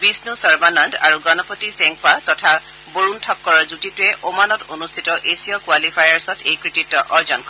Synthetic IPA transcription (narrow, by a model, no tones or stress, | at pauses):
bisnusɔɹmananda̰ɹuɡɔnɔpɔtisɛŋk̚patɔtʰa | boɹuntʰɔkːɔɹɔɹzutitʊɛʔomanɔtonustʰitɔʔesijɔkuwalipʰajaɹsɔtʰejkɹikitːɔʔɔɹzɔnkɔ